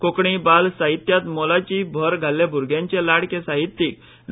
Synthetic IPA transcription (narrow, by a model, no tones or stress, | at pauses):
kokɳibalsaɦit̪jat̪molat͡ɕiːbʱəɾɡʱalːjabʱuɾɡʱjãɲt͡ɕelaɽkẽsaɦit̪ːiːk̚ | n